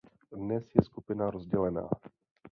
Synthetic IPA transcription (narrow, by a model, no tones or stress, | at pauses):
dnɛsjɛskupɪnaɾozɟɛlɛna̰ː